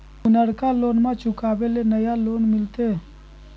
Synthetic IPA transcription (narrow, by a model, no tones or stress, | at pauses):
ʊnəɽkaloːnmãt͡ʃʊkaːbelenəjaloːnmɪlt̪e